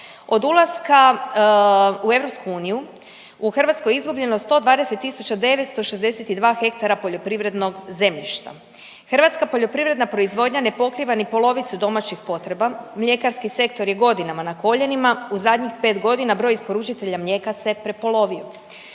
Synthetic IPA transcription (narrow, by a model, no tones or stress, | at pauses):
o̞d̪ulˠazka | ue̞ʋɾo̞pskuuːniju | uxr̩ʋat̪sko̞jeizɡubʎe̞nost̪o̞d̪ʋaːd̪e̞set̪ːisut͡ɕad̪e̞ʋet̪st̪o̞ʃezd̪e̞set̪id̪ʋaːxe̞k̚t̪aɾapo̞ʎo̞pɾiʋɾe̞d̪no̞ɡze̞mʎiʃt̪a̰ | xr̩ʋat̪skapo̞ʎo̞pɾiʋɾe̞d̪napɾo̞izʋo̞ːd̪ɲane̞po̞kɾiʋanepo̞lˠo̞ʋit̪sud̪o̞mat͡ɕixpo̞t̪ɾe̞bamʎe̞kaɾskise̞kt̪o̞ɾje̞ɡo̞d̪inamanako̞ʎe̞nimauzad̪ɲixpe̞ːt̪ɡo̞d̪inabɾo̞jispo̞ɾut͡ʃit̪e̞ʎamʎe̞kase̞pɾe̞po̞lo̞ʋio